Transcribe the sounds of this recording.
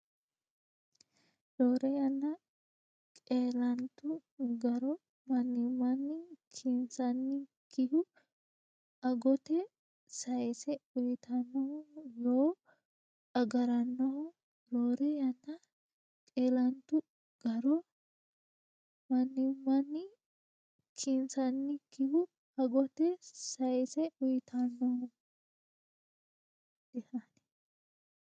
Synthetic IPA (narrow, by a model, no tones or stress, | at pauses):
loːɾɛjɐnːɐ | kʼeːlɐnt̪ʊɡɐɾɔ | mɐnːɪmːɐnːɪkʰɪnsɐnːɪkɪhʊ | ɐɡɔt̪ɛ | sɐjɛsɛʊjɪt̪ɐnːɔhʊjoː | ɐɡɐɾɐnːɔhʊ | ɾoːɾɛjɐnːɐ | kʼeːlɐnt̪ʊ | ɡ̥ɐɾɔ | mɐnːɪmɐnːɪ | kʰɪnsɐnːɪkɪhʊ | ɐɡɔt̪ɛsɐjsɛʊjt̪ʰɐnːɔhʊ | d̪̥ɛhɐnɛ̥